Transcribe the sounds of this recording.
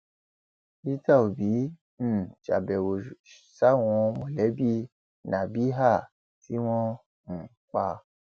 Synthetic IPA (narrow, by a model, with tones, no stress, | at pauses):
i˦ta˦˨o˨bi˨˦ | ñ̩˦˨ʃa̰˨bɛ˨wo˨ | ʃa˦˨w̃ɔ̃˧mo˨lɛ˨˦bi˦ | nã˨bi˦ɦa˦˨ | ti˦w̃ɔ̃˦ | n̩˨k͡pa˧